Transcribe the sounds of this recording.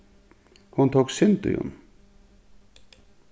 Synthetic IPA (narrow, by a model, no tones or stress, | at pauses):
hunt̪ʰoksɪnt̪ʊ̰jʊ̰n